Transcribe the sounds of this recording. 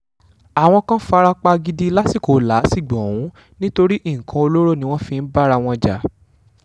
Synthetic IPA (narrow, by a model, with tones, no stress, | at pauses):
a˨w̃ɔ̃˧kã˦fa˧ɾa˧k͡pa˧ɡi˧di˦˧la˦si˦˨ko˨˦˨la˨˦si˦˨ɡ͡bɔ̃˨w̃ũ˨˦ | nĩ˦to˧ɾi˦ʔi˦˨kʰã˧o˧lo˦ɾo˦nĩ˦w̃ɔ̃˦fĩ˧n̩˦ba˦ɾa˧w̃ɔ̃˧d͡ʒa̰˨˦